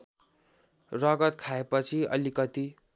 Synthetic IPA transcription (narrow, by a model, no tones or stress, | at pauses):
rʌɡʌt̪kʰaepʌt͡sʰiʌ̰likʌt̪i